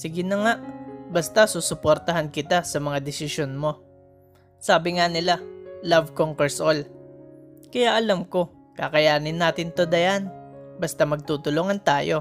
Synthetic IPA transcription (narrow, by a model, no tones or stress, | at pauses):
sɪɡɪnɐŋaʔbɐst̪asusʊpoɾt̪ɐɦankɪt̪asɐmɐŋad̪ɪsɪʃjonmo̞ | saːbɪŋanɪlalavkoŋkɛɹsʔol | kɐjaʔɐlamko̞ | ka̰kɐjaːnɪnːaːt̪ɪnt̪o̞d̪ɐjanbɐst̪amɐɡ̚t̪ut̪ʊloŋɐnt̪aːjo̞